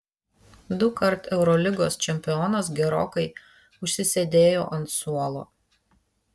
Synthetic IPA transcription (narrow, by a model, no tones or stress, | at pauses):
d̪ʊkɐɾt̪ɛʊɾɔlʲɪɡoːst͡ʃʲɛmʲpʲɪɔːnɐsɡʲɛɾo̰ːkɐɪ | ʊʃʲsʲɪsʲɛd̪ʲeːjoːʔɐnt̪suɔlˠo̰ː